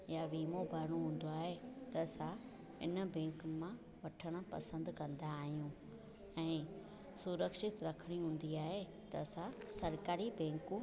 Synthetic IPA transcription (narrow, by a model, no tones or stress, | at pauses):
jaʋiːmobʱaɾɽ̃õɦũːn̆d̪oaːɦet̪ɐsa | ɪ̰nə̆bɛ̃ːŋkmã | ʋɐʈʰəɽ̃ʊ̆pɐsə̃nd̪kɐ̃nd̪aːɦijũ | ɛ̃ː | sʊɾəkʃɪt̪ɾɐkʰəɽ̃iɦũːn̆d̪iaːɦe | t̪ɐsãsɐɾkaːɾibɛ̃ːŋku